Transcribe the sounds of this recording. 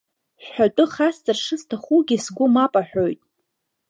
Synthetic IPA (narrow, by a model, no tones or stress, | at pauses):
ɕħatʼʊχast͡sʼarʂɨstʰaχuɡʲisɡʷʊmapʼaħʷᶣojtʼ